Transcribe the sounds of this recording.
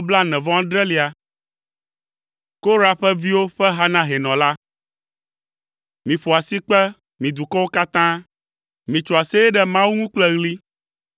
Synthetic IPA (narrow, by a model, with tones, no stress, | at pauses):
bla˦nɛ̃˨vɔ̃˦ã˦ɖɾɛ˦li˨a˨ | ko˦ɾa˦ɸɛ˦vi˦wo˦ɸɛ˦ɦa˦nã˦ɦɛ˨nɔ̃˨la˦ | mĩ˨ɸo˨a˨si˦k͡pɛ˦ | mĩ˨d̪u˨kɔ˦wo˦ka˦t̪ã˦ | mĩ˨t͡ʃɔ˨a˨sɛ˦jɛ˦ɖɛ˦mã˦wu˦ŋũ˦k͡plɛ˦ɣli˦